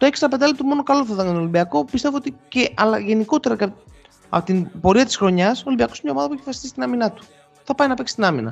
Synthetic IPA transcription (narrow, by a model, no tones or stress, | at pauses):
t̪o̞eksɐpe̞nd̪ɐlip̚t̪omo̞no̞kɐloθɐðenɐnolimbiɐko̞pist̪evoot̪iceʔɐlɐʝe̞niko̞t̪e̞ɾɐ | ɐot̪ibo̞ɾiɐt̪i̥sxɾo̞ɲɐsolimbiɐko̞smɲɐoɐðɐpueçfɐsi̥st̪ist̪inɐminɐt̪u̥ | θɐpɐjnɐpeksi̥st̪inɐmḭnɐ̰